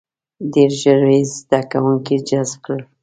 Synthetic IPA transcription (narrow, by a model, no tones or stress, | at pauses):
d̪eɾʒəɾwezd̪akawuŋkid͡ʒaz̚kɽəl